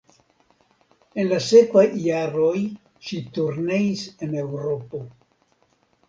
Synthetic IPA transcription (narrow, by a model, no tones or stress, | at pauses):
e̞nlase̞kvajːaɾo̞j | ʃituɾne̞ise̞ne̞wɾo̞po̞